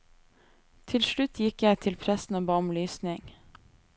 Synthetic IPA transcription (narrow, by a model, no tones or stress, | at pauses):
t̪ʰɪlʃɭʉt̪ʰjɪkjæɪt̪ʰɪlpʰɾɛsn̩oːbɑːʊmlyːsnɪŋ